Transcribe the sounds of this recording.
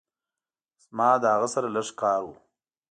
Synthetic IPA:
zmɑːd̪əhaɣasaɾaləʂkɑːɾwu

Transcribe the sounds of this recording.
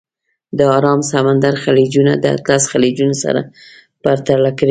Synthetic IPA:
d̪əɑɾɑmsamand̪aɾxalid͡ʒunad̪əa̰t̪lasxalid͡ʒunosa̰ɾa̰ | b̥aɾt̪alakəɽi

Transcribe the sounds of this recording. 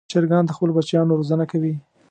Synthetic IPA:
t͡ʃeɾɡɑnd̪əxpəlobat͡ʃjɑnoɾozənakawi

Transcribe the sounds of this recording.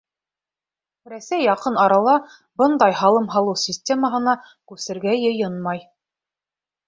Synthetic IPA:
ɾæsæjːɑqɤnɑɾɑlˠɑ | bɤ̆nd̪ɑjɦɑlˠɤmɦɑlˠɤwsʲisʲtʲe̞məɦɤ̆nɑ | kʉsɘ̆ɾɡæjɤ̆jɤnmɑj

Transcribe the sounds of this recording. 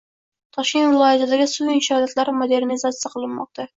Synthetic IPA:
t̪ʰɒʃkʲent̪vɨlˠɒjɪzɪd̪æɡʲɪsuinʃɑlat̪laɾmod̪eɾnizat̪sɨjaqʰəlˠɨnmɒ̰q̚t̪ɑ

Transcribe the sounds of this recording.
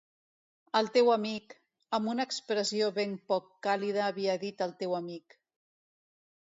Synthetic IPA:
əlˠt̪ewəmik | əmbunəːkspɾəzioβempɔkːalið̞əːβ̞iəðit̪əlˠt̪ewəmik

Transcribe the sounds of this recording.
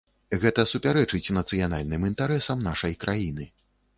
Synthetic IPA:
ɣɛt̪ɐsupʲaɾɛt͡ʂɨt͡sʲnɐt̪sɨjana̰lʲnɨmint̪aɾɛsɐmnaʂɐjkɾʔajinɨ

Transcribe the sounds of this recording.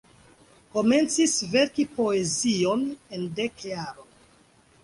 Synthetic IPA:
ko̞me̞nt͡sisve̞ɾkipo̞ezio̞nende̞kjaɾon

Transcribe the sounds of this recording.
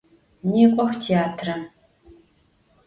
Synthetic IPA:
niːqʷʼɔxtʰeaːtʰrɐ

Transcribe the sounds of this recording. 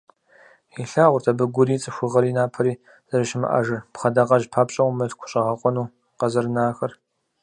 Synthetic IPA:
iɬaːʁʷʊrtʰɐbɨɡʷʊɾiːt͡sʼɨxʷʊʁɐɾiːnaːpʰɐɾiː | z̥ɐɾɨʃɪmɨ̰ʔɐ̰ʒɨrpχɐdaqɐʒpʰaːpɕʼɐwmɨɬkʷʰʊ̥ɕʼɐʁɐqʷʼɔnuː | qɐzɐrnaːxɐr

